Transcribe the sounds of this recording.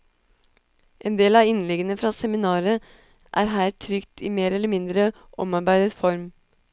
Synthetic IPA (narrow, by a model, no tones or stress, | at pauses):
ʔeːnd̪eːlɑːɪnlɛɡənəfɾɑːsɛmɪnɑːɾə | ʔæːɾɦæːɾt̪ʰɾʏkt̪ʰiːmeːɾɛləmɪnd̪ɾə | ʔɔ̰mɑɾbæɪd̪ət̪fɔɾm